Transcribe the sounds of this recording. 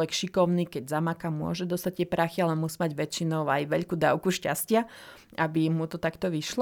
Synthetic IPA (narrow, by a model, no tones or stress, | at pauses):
ʋɛkʃikɔʊniːkɛɟzamakamʊɔ̰ʒɛd̪ɔst̪ac̚t̪ɪɛpɾaxialɛmusiːmaɟʋɛt͡ʃinɔʊajʋɛʎkud̪aːʊkuʃca̰scɪa | ʔabimut̪ɔt̪akt̪ɔʋiʃlɔ